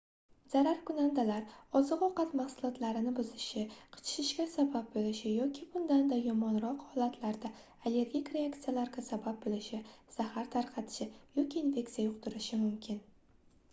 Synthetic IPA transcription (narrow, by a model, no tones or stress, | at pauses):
z̥aɾaɾkʊnand̪alaɾɒzɨqɒqɑt̪mahsʊlˠɒt̪laɾɪnɪbʊzɪʃɪqʰɨ̥t͡ʃʰʃɪʃɡʲasabab̚bolɪʃɪjɒkʲʰɪbʊnd̪and̪ajɒmɒnɾɒqhɒlat̪ʰlaɾd̪a | ale̞ɾɡʲikʲɾeak̚t̪sijalaɾɡʲasabab̚bolɪʃɪz̥ahaɾt̪ʰaɾqʰɑt̪ʰɪ̥ʃɪjɒkʲiːnfe̞kt̪sijajʊqt̪ʊɾɪʃɪmʊmkʲʰɪn